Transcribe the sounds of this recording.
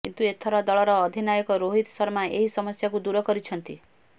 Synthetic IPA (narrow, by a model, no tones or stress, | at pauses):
kint̪uet̪ʰɔɾɔd̪ɔɭɔɾɔːd̪ʱinajɔkɔɾoɦit̪sɔɾmaeɦisɔmɔsjakud̪uɾɔkɔɾit͡ʃʰɔnt̪i